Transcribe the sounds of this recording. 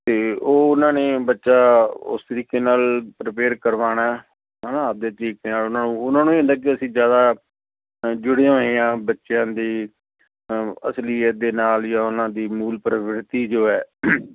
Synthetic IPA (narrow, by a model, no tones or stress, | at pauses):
t̪eːoːʊnãːneːbətːʃaːʊ̰st̪əɾiːkeːnaːlpɾɪpeːɾkəɾʋaːɽaː | ɦɛnaːəp̚d̪eːt̪əɾiːkeːnaːlʊnãːnũːʊnãːnũːeːɦʊ̃nd̪aːk̬ɪəsĩːzjaːd̪aː | d͡ʒʊɽeːãːoejãːbətːʃjãːd̪iː | ə̰slid̪eːnaːljaːʊnãːd̪iːmuːlpɾəʋɾt̪iːd͡ʒoːɛː